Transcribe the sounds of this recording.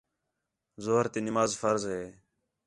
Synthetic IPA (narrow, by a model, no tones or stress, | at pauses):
zoɦəɾt̪eːnɪmaːzfəɾzɦeː